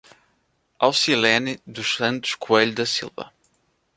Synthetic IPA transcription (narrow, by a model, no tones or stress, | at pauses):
awsilɛnɨd̪uʃsɐ̃nt̪u̥ʃkueʎud̪ɐsḭlˠvɐ̰